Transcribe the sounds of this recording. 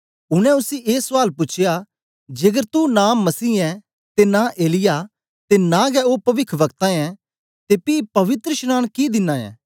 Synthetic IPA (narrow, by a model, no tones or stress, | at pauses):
ʊñɛ̃ʊsiʔeːsaːlpʊt͡ʃʰɪja | d͡ʒeːɡəɾt̪unãːmɐsiːɛ̃ | t̪enaʔeːlɪja | t̪enãɡɛoːpɐʋɪkʰʋɐkt̪ãɛ̃ | t̪epipɐʋɪt̪ɾəʃñaːnkid̪ɪnːãɛ̰̃ː